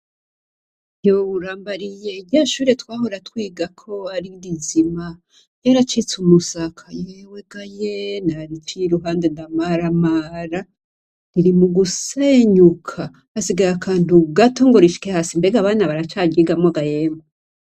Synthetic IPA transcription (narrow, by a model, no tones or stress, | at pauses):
jouɾaːmbaɾije̞ɟaːʃuːɾe̞twaːɦo̞ɾatwiːɡakʰo̞aɾiɾizima | jaɾat͡ʃit͡sumusakʰajeweɡ̥ajenaɾit͡ʃiɾuɦaːndendamaɾamaːɾa | ɾiɾimuɡuseɲukʰaː | siɡaɾakʰaːntuɡato̞ŋɡo̞ɾiʃi̥kehasimbeɡaβaːnaβaɾat͡ʃaːɟiɡamŋaɡajeːmo